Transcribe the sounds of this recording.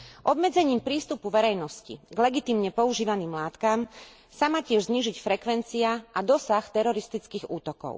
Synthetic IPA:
ʔɔbmɛd͡zɛɲiːmpɾiːst̪upuʋɛɾɛjnɔscḭɡlɛɡit̪iːmɲɛpɔuʒiːʋaniːmlaːt̪kam | samaːcɪɛʒzɲiːʒicfɾɛkʋɛnt͡siaʔad̪ɔsaxt̪ɛɾɔɾist̪it͡skiːɣuːt̪ɔkɔ̰ʊ

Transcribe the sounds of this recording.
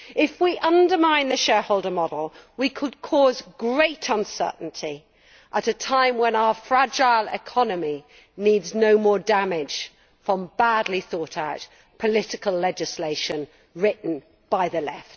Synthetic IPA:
ɪfwiʔʌ̃ndəmãɪ̃nðɨʃɛːhoʊlˠdəmɒdl̩ˠwikʰəd̚kʰɔzɡɹeɪtʰʌ̃nsɜ̰˞ˑʔn̩tʰi | ʔəɾətʰãɪ̃mwə̃naʊəfɹad͡ʒaɪlˠɪ̰kʰɒnəmi | nidznoʊmɔːdamɪd̥ʒ̥ | fɹə̃mbadˡliθɔˑtaʊt̚ | pʰəlɪtɪkəlɛd͡ʒɪsleɪʃə̃n | ɹɪʔn̩ | b̥aɪðəlɛ̰ft̚

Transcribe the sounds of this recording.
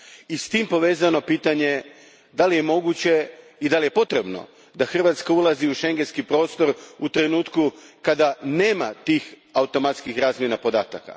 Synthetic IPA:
ist̪iːmpo̞ʋeːzano̞piːt̪aɲe̞ | d̪alije̞mo̞ɡut͡ɕe̞ | id̪alije̞po̞t̪ɾe̞bno̞̰ | d̪axr̩ʋat̪skaulˠaziuʃe̞ŋɡenskipɾo̞ːst̪o̞ɾut̪ɾe̞nuːt̪kukad̪ane̞ːmat̪iːx | aut̪o̞mat̪skixɾaːzmje̞napo̞d̪aːt̪aka̰

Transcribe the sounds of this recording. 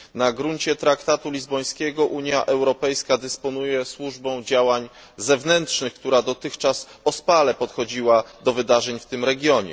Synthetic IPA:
naɡɾuɲt͡ɕɛt̪ɾakt̪at̪ulʲizbɔj̃skʲɛɡɔʔuɲjaʔɛwɾɔpɛjskad̪ɘspɔn̪ujɛswuʐbɔ̃w̃d͡ʑawaɲ | zɛvnɛntʂnɘxk̚t̪uɾad̪ɔt̪ɘxt͡ʂasɔspalɛpɔt̪xɔd͡ʑiwad̪ɔvɘd̪aʐɛɲft̪ɘmɾɛɡʲjɔɲɛ̰

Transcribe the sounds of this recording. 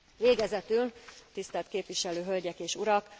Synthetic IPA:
veːɡɛzɛt̪ylt̪ist̪ɛlt̪keːpʋiʃɛløːɦølɟɛkeːʃuɾɒk

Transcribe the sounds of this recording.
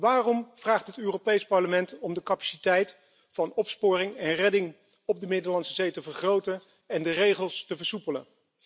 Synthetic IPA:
ʋaːrɔmv̥raːχtɦətøːropejspɑɹləmɛntɔmdəkapḁsitɛjt | fɑnɔpspʊːrɪŋɛnrɛdɪŋ | ɔb̚dəmɪdəɹlɑnsəzejtəvəɹχrowtən | ɛndərejχəlˠstəvəɹsupələ̰

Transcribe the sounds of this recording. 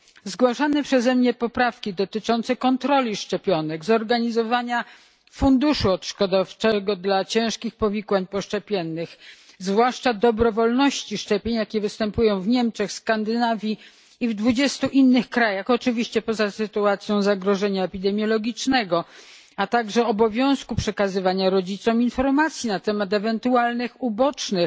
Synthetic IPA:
zɡwaʂanɛpʂɛzɛmɲɛpɔpɾafkʲid̪ɔt̪ɘt͡ʂɔnt̪sɛkɔnt̪ɾɔlʲiʂt͡ʂɛpʲjɔnɛɡzɔɾɡaɲizɔvaɲa | fund̪uʂuɔt̪ʂkɔd̪aft͡ʂɛɡɔd̪lat͡ɕɛ̃w̃ʂkʲixpɔvʲikwaɲpɔʂt͡ʂɛpʲjɛnːɘx | zvwaʂt͡ʂad̪ɔbɾɔvɔlnɔɕt͡ɕiʂt͡ʂɛpʲjeɲjakʲɛvɘst̪ɛmpujɔ̃w̃vɲɛmt͡ʂɛxskand̪ɘnavʲji | ivd̪vud͡ʑɛst̪uʔinːɘxkɾajaxɔt͡ʂɘvʲiɕt͡ɕɛpɔzasɘt̪uat̪sʲjɔ̃w̃zaɡɾɔʐɛɲaɛpʲid̪ɛmʲjɔlɔɡʲit͡ʂnɛɡɔ | at̪aɡʐɛɔbɔvʲjɔ̃w̃skupʂɛkazɘvaɲaɾɔd͡ʑit̪sɔminfɔɾmat̪sʲjinat̪ɛmat̪ɛvɛnt̪ualnɘxubɔt͡ʂnɘ

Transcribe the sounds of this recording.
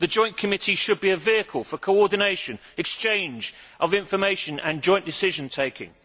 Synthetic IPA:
ðəd͡ʒɔ̃ɪ̃nkʰəmɪtʰiʃəd̚biəviəkʰəlˠfəkʰəʊɔːdⁿn̩eɪʃə̃n | ɛkst͡ʃẽɪ̃nd͡ʒ | ʔəvɪ̃ɱfəmeɪʃə̃nə̃nd͡ʒɔ̃ɪ̃nd̥ɪsɪʒə̃ntʰeɪkʰɪ̰̃ŋ

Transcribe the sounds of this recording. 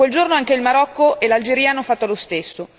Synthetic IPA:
kweld͡ʒornoaŋkeilmaɾɔkːoʔelald͡ʒeɾianːofat̪ːolost̪esːo

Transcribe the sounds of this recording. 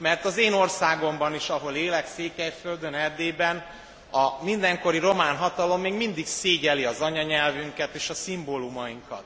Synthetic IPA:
mɛrt̪ɒzeːno̞rsaːɡo̞mbɒniʃɒɦo̞leːlɛkseːkɛjføld̪ønɛrd̪eːbɛn | ɒmind̪ɛŋko̞ɾiɾo̞maːnɦɒt̪ɒlo̞mːeːɡmind̪ikseːɟɛliɒzɒɲɒɲɛlvyŋkɛt̪eːʃɒsimboːlumɒjiŋkɒ̰t̪̚

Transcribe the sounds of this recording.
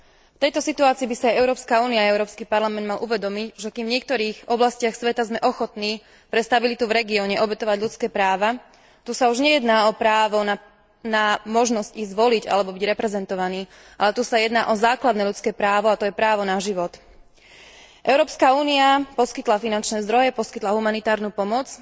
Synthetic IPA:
ft̪ɛjt̪ɔsit̪uaːt͡siːbisaajɛʊɾɔːpskauːniaɛʊɾɔːpskiːpaɾlamɛnd̪̚malʔuʋɛd̪ɔmicʒɛkiːmvɲɪɛk̚t̪ɔɾiːɣɔblascɪaxsʋɛt̪azmɛʔɔxɔt̪niː | pɾɛst̪abilit̪uvɾɛɡiɔɲɛʔɔbɛt̪ɔʋaɟlʎut͡skɛːpɾaːʋa | t̪usauʒɲɛjɛd̪naːɔpɾaːʋɔna | namɔʒnɔzciɣzʋɔliɟa̰lɛbɔbiɟɾɛpɾɛzɛnt̪ɔʋaniː | ʔalɛt̪uːsajɛd̪na̰ːʔɔzaːklad̪nɛːʎut͡skɛːpɾaːʋɔat̪ɔjɛpɾaːʋɔnaʒiʋɔt̪ | ʔɛʊɾɔːpskauːniapɔskit̪lafinant͡ʃnɛːzd̪ɾɔjɛpɔskit̪laɦumanit̪aːɾnuːpɔmɔt͡s

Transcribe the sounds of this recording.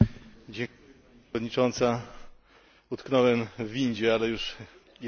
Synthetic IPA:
d͡ʑɛ | d̪ɲit͡ʂɔnt̪sa | ut̪knɔwɛmvʲiɲd͡ʑɛalɛjuʂ | j

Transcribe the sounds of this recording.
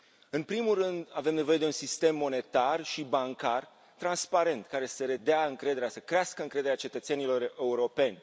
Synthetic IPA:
ɨnpɾimulrɨnd̪ave̞mne̞vo̞je̞d̪e̞unsist̪e̞mːo̞ne̞t̪arʃibaŋkar | t̪ɾanspaɾe̞nt̪kaɾe̞səɾe̞d̪eaɨŋkɾe̞d̪eɾasəkɾeaskəɨŋkɾe̞d̪eɾat͡ʃe̞t̪ət̪se̞nilo̞re̞uɾo̞pe̞nʲ

